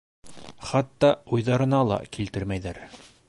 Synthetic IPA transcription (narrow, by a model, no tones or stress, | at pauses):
χɑt̪ːɑujðɑɾɤ̆nɑlˠɑ̰kilt̪ɘɾmæjðæɾ